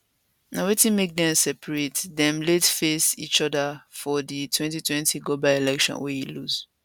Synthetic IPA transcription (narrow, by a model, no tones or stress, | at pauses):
nawetĩnmek̚dɛ̃msɛpʰɹetdɛ̃mlɛtfesḭt͡ʃɔdafɔditʰwɛ̃ntitʰwɛ̃ntʰiɡobaɪelɛkʃɔ̰̃nwɛhiluz